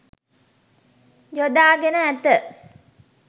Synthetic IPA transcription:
jod̪aːɡenəæt̪ə

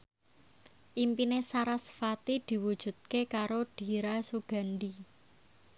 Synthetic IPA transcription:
ʔimpinesaɾasfat̪id̪̥i̤wud̥ʒ̥ṳt̪̚kekaɾoɖ̥i̤ɾasuɡ̥a̤nɖi

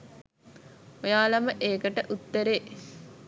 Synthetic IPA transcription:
ojaːlɐməʔeːkəʈəʔut̪ːəɾeː

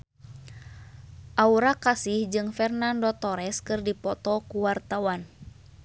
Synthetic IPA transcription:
ʔauɾakasihd͡ʒɨŋfɛrnandɔt̪ɔɾɛskɨrdipɔt̪ɔkuwart̪awan

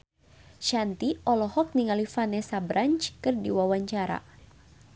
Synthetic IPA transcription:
ʃant̪iɔlɔhɔk̚niŋalifanɛsabɾaɲt͡ʃkɨrdiwawaɲt͡ʃaɾa̰

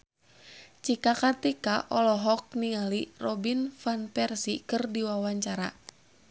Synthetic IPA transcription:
t͡ʃikakart̪ikaʔɔlɔɦɔk̚niŋalirɔbinfanpɛrsikɨrdiwawaɲt͡ʃaɾa

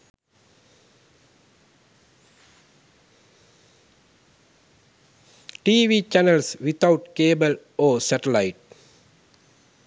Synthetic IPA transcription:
ʈiːʋiːt͡ʃænəlsʋit̪ʰaʊʈkeːbəl | oːsæʈəlaɪʈ̚

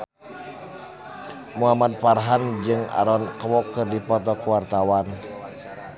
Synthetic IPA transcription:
muɦamat̪̚parɦand͡ʒɨŋa̰ɾɔnkwɔkːɨrdipɔt̪ɔkuwart̪awan

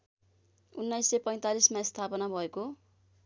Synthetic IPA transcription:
unːʌjsːepʌj̃t̪alismaist̪ʰapʌnabʱʌeko

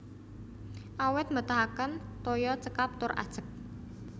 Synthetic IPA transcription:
ʔawɪt̪̚mət̪aɦakənt̪ojɔt͡ʃəkap̚t̪ʊrʔa̰d̥ʒ̥ə̤k̚

